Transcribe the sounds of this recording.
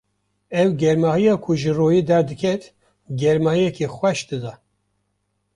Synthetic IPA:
ɛwɡɛɾmɑːhijɑːkʰʊʒɨroːjiːd̪ɛɾd̪ɨkʰɛt̪ | ɡɛɾmɑːhijɛkʰexʷwɛʃd̪̥ɨd̪ɑ

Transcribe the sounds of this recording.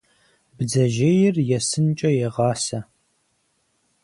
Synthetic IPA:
bd͡zɐʒeːjɪrjɛsɨnt͡ʃʼɐjɛʁɑːsɐ

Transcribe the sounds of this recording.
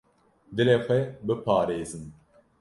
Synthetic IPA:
d̪ɨleːxʷɛbɨpʰɑːɾeːzɨn

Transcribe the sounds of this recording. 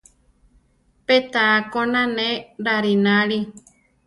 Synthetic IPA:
pet̪aːkonãnẽɾaɾinãɾi

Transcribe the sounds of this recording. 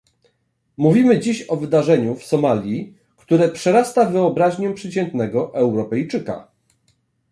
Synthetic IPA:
muvʲimɘd͡ʑiɕɔvɘd̪aʐɛɲufsɔmalʲji | kt̪uɾɛpʂɛɾast̪avɘɔbɾaʑɲɛpʂɘt͡ɕɛnt̪nɛɡɔʔɛwɾɔpɛjt͡ʂɘka̰

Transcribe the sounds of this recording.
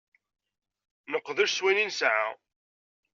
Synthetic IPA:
nəqːðʊɾswæninsʕa̰

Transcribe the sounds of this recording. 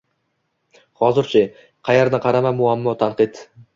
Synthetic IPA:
hɒzɪɾt͡ʃʰɪ | qʰɑjaɾnɪqʰɑɾamamʊamːɒt̪ʰaɴqɨt̪

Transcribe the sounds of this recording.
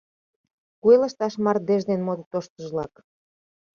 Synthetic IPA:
kueləʃt̪ɑʃmɑr̚d̪eʒd̪enmod̪t̪oʃt̪əʒlɑk

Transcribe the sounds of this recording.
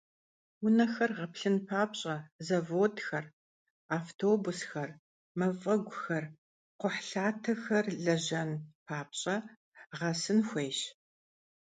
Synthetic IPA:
wʊnɐxɐrʁɐpɬɨnpʰaːpɕʼɐzɐvoːtʰxɐr | aːftʰoːbʊsxɐr | mɐfʼɐɡʷʊxɐr | qʷʊħɬaːtʰɐxɐrɮɐʑɐnpʰaːp̚ɕʼɐ | ʁɐsɨnxʷejɕ

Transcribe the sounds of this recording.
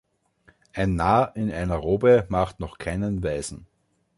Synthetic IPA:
ʔaɪnːaːʔɪnaɪnɐʁoːbəmaχtnɔχkʰaɪnənvaɪzn̩

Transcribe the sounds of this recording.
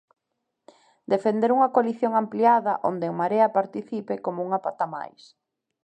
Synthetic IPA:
d̪efend̪eɾuŋɐkoaliθjoŋampliaðɐʔo̰nd̪eŋmaɾeɐpaɾt̪iθipekomouŋapat̪ama̰js

